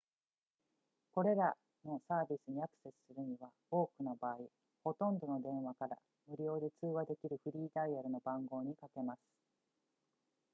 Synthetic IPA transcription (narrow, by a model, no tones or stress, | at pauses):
ko̞ɾe̞ɾa | no̞saːbʲisɨɲ̟iakɯ̥se̞sɨ̥sɨɾɯ̟ɲ̟iβa | o̞ːkɯ̟nabaːi | ho̞t̪õ̞nd̪o̞no̞d̪ẽ̞ɰ̃βakaɾa̰ | mɯ̟ɾʲo̞ːd̪e̞t͡sɨːɡad̪e̞kʲiɾɯ̟ɸɯ̟ɾʲiːd̪aiaɾɯ̟no̞bãŋɡo̞ːɲ̟ikake̞masɨ̥